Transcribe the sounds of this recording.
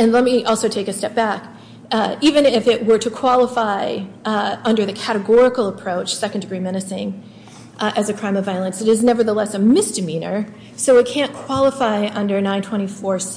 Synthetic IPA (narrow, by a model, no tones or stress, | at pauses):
ɨ̃nlɛt̚miʔɔlˠsoʊtʰeɪkɨstɛp̚b̥æk | ivɨ̃nɪfɪʔ̚wə˞ɾɨkʰw̥ɑlˠəfaɪ | ʌ̃ndə˞ðɨkʰæɾɨɡɔɹɨkl̩ˠəpʰɹ̥oʊt͡ʃsɛkn̩dɨɡɹimɛñɨsɪ̃ŋ | ʔɨzɨkʰɹ̥ãɪ̃mʌvaɪl̩ˠə̃nsɨɾɨznɛvə˞ðəlɛsɨmɪsd̥ɨmĩnə̰˞ | soʊɨt̚kʰæ̃nkʰw̥ɑlˠəfaɪʔʌ̃ndə˞nãɪ̃ntʰw̥ɛ̃ɾ̃ifɔɹs